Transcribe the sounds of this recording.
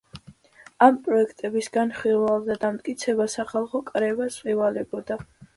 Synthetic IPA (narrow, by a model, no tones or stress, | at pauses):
ampʼɾɔɛkʰt̪ʼɛbisɡanχilvalˠd̪ad̪amt̪ʼkʼit̪sʰɛbasaχalˠχɔkʼɾɛvasvivalɛbɔd̪a